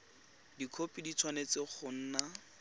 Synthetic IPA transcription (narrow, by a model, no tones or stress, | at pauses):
dikʰopʼidit͡sʰwanet͡sɪχʊn̩ːna